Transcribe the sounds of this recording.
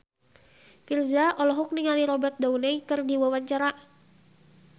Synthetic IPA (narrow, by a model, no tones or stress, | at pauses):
pirzaʔɔlɔɦɔk̚niŋaliɾɔbɛrt̪̚daunɛjkɨrdiwawaɲt͡ʃaɾa